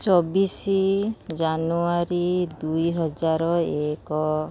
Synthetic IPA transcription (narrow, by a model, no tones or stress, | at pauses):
t͡ʃɔbisid͡ʒanuaɾid̪ujɦɔd͡ʒaɾɔekɔ